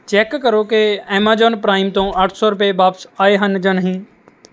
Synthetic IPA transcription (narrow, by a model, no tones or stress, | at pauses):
t͡ʃɛːkkəɾokeɛːmaːd͡ʒɔːnpɾaːɪmt̪õɐʈʰsɔːɾʊpebaːpsaːeɦənd͡ʒənɦĩː